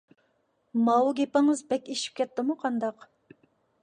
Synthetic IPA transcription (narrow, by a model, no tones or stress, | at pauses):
mɑwuɡʲepɪŋɨzbɛkʲeʃi̥p̚kʲʰɛt̪ːɪmuqʰɑnd̪ɑq